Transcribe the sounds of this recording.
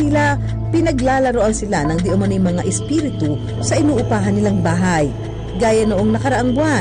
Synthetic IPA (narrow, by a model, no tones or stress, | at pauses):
ɪla | pɪnɐɡlaːlɐɾoʔɐnsɪlanɐŋd̪ɪʔʊmɐnijmɐŋaʔɛspiːɾɪt̪u | sɐʔɪnuːʔʊpaːɦɐnːɪlaŋbaːɦaj | ɡaːjɐnoʔoŋnɐkɐɾɐʔaŋbʊwa